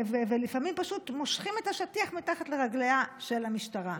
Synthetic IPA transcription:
vevelifamimpaʃutmoʃχime̞taʃatiaχmitaχatleʁaɡleaʃe̞lamiʃtaʁa

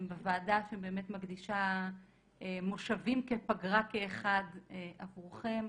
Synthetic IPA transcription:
mbevaːdaʃembe̞emet̪maɡd̪iʃa | emoʃavimkepaɡʁakeːχad̪eʔavʁuχem

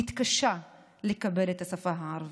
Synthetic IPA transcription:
ɪt̪kaʃa | lekabelet̪asafaɦʕɑɾˤv

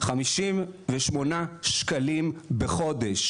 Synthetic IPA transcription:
χamiʃimveʃmo̞naʃkalimbeχo̞deʃ

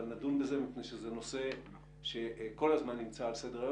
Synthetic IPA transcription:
lnadunbeze̞mipnejʃezeno̞se̞ | ʃe̞ko̞lazmanːimt͡saːlse̞deʁaj

